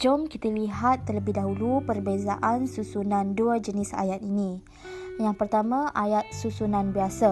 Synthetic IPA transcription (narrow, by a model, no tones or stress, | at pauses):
d͡ʒɔmkit̪əliɦat̪ːərləbɪhdaɦulupərbeza̰ʔansusunãnduad͡ʒənisa̰jat̪inĩ | jaŋpərt̪amãʔajat̪̚susunãnbiasa